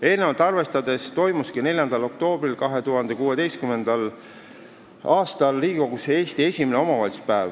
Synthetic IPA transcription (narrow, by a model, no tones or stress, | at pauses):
e̞ːlnevɑlt̪ːˑɑrve̞st̪ɑd̪e̞st̪o̞jmuskine̞lʲjɑnd̪̥ɑlo̞k̚t̪o̞ːbrilkɑɦe̞t̪uɦɑnd̪̥e̞kuːe̞d̪e̞jskyme̞nd̪̥ɑl | ɑːst̪ɑlːiːɡiko̞ɡ̥usee̞ːst̪ie̞sʲimeneo̞mɑvɑlʲsu̥spæːv